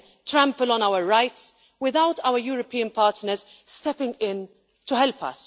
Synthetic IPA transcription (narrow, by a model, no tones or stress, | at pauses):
tɾæ̃mpəlɔ̃nawəɹɹaɪts | wɪðawtʰaʊəɾjuːɾɔpiːə̃npɑːɾtnəɾz | stɛpɪ̃ŋɡɪ̃n | tuhɛlpɐ̰s